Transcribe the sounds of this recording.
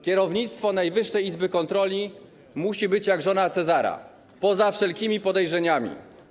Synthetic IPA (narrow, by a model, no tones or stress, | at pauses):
kʲɛɾɔvɲit̪st̪fɔnajvɘʂːɛjizbɘkɔnt̪ɾɔlʲi | muɕibɘt͡ɕjaɡʐɔnat̪sɛzaɾa̰ | pɔzafʂɛlkʲimʲipɔd̪ɛjʐɛɲamʲḭ